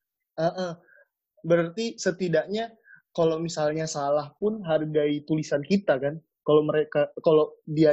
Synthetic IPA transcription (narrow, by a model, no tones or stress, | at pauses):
ʔəʔə | bəɾart̪isət̪idakɲa | kalowmisalɲasalahpʊnɦarɡait̪ulisankit̪akan | kaloməɾekakalodia